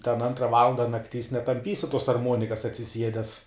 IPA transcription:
tʲɛn ˈɐntrɐ ˈʋɑːlˠɐndɐ nɐkˈtʲiːs nʲɛtɐmʲˈpʲiːsʲɪ tuɔs ɐrˈmuɔnʲɪkɐs ɐtʲsʲɪˈsʲiɛdʲɛs

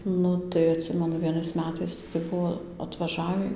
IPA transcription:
ˈnʊ tɐɪ ɐtʲˈsʲɪmʲɛnʊ ʋʲiɛˈnɐɪs mʲɛˈtɐɪs tɐɪ ˈbʊʋoː ɐtʋɐˈʒɑːʋʲiː

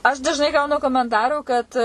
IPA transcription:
ɐʃ dɐʒˈnɐɪ ˈɡɐʊnʊ koːmʲɛnˈtɑːruː kɐt

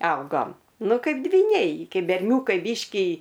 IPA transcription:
ˈɐʊɡoːm ˈnʊ ˈkɐɪp dʲʋʲiːˈnʲɛɪ ˈkʲɛɪp bʲɛrʲˈnʲuːkɐɪ ˈbʲiːʃʲkʲɪ

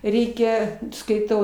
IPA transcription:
ˈrʲɛɪkʲɛ skɐɪˈtɐʊ

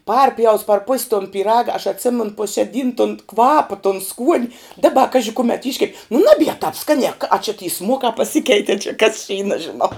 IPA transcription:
ˈpɐrʲpʲjɛʊs pɐr pʊsʲ toːn pʲiːˈrɑːɡɐ ɐʃ ɐtʲˈsʲɪmʲɛn pʊ ʃʲɛ ˈdʲiːn toːn ˈkʋɑːpɐ toːn skuɔnʲ ˈdɑːbɐ ˈkɑːʒʲɪ ˈkʊmʲɛt ˈɪʃʲkʲɛpʲ nʊ ˈnɑːbʲiɛ tɐp ˈskɑːnʲiɛ k ɐ t͡ʃʲɪ tʲiː ˈsmuɔkɑː pɐˈsʲɪkʲɛɪtʲiɛ t͡ʃʲɛ kɐs t͡ʃʲɛ iː nɐʒʲɪˈnɐʊ

